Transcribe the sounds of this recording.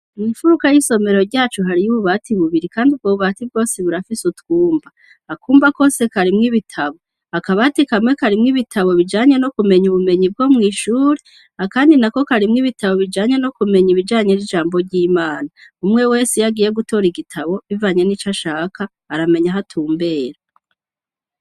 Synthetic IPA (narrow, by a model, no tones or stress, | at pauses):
nifuɾukajiso̞me̞ɾo̞ɾɟaːt͡ʃuɦaɾijuβuβatʰiβuβiɾikaːndub̚ɡoβativɡo̞ːseβuɾafisutuːmba | akuːmbako̞ːse̞kaɾimŋiβitʰaβo̞ | akaβaːtikamŋe̞kaɾimŋiβitʰaβo̞βid͡ʒaːɲe̞no̞kume̞ɲuβume̞ɲib̚ɡo̞mŋiːʃuːɾe | hakaːndinako̞kaɾimŋiβitʰaβo̞βid͡ʒaːɲe̞no̞kume̞ɲiβid͡ʒaːɲe̞ɾid͡ʒaːmbo̞ɾɟiːmaːnaumŋe̞weːsijaɡiːje̞ɡuto̞ɾiɡitʰaβo̞βivaɲe̞nit͡ʃaʃaːkʰaːɾame̞ɲaɦatʰuːmbe̞ːɾa